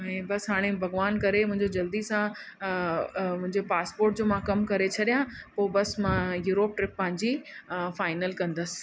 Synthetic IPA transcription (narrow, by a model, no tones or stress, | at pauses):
ɛ̃ːbɐsɦaːɽ̃ebʱɐɣʋaːnkɐɾemʊ̃ɦɪ̃ɲd͡ʑod͡ʑɐld̪isã | mʊ̃ɦɪ̃ɲd͡ʑepaːspoːɾʈ̚d͡ʑoːmãkɐmkɐɾet͡ɕʰɐɗijãpoːbɐsmãjuːɾoːp̚ʈɾɪpːɐ̃ɦɪ̃ɲd͡ʑifaːɪnəlkɐ̃nd̪əsɪ̥̆